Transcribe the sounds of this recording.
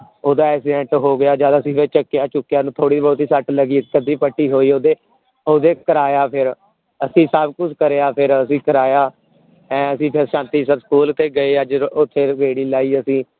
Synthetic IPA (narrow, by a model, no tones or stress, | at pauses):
oːd̪aːɛːsiɖɛ̃ɳʈɦoːɡɪjaːd͡ʒaːd̪aːəsĩːpet͡ʃəkːɪjaːt͡ʃʊkːjaːnũːt̪ʰoːɽiːbɔːt̪iːsəʈləɡiːkəd̪iːpəʈːiːɦoːiːoːd̪eː | oːd̪eːkəɾaːjaːpʰɪɾ | əsĩːsəbkʊt͡ʃʰkəɾeːaːpʰɪɾəsĩːkəɾaːjaː | ɛ̃ːəsĩːpʰɪɾʃãːnt̪iːsəbskuːlt̪eːɡəeːəd͡ʒʊt̪ʰːeːʋeːɽiːlaːiːəsĩː